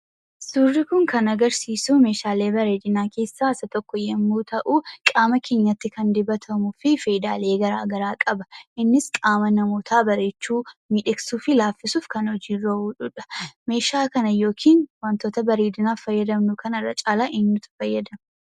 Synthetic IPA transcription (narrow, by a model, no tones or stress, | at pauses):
surːɪkʊŋkɐnɐɡɐɾsiːsuːme̞ːʃaːle̞ːbɐɾe̞ːd̪ɪnaːke̞ːsːaːsɐt̪ɔkːɔjɛmːuːt̪ɐʔuːkʼaːmɐkʰe̞ːɲːɐt̪ːɪkɐnd̪ɪbɐt̪ʰɐmʊfɪfe̞ːd̪a̰ːle̞ːɡɐɾa̰ːɡɐɾaːkʼɐbɐ̥ʔɪnːɪskʼaːmɐnɐmoːt̪ʰaːbɐɾe̞ːt͡ʃːuːmiːᶑɪksuːfɪlaːfːɪsuːfkɐnhɔd͡ʒiːroːuːᶑʊᶑɐ̥me̞ːʃaːkɐnɐjo̞ːkʰiːnwaːnt̪oːt̪ɐbɐɾeːd̪ɪnaːfɐjːɐd̪ɐmnʊkɐnɐrːɐ̰t͡ʃʼaːlaʔɪɲːʊt̪ɐ̥fɐjːɐd̪ɐm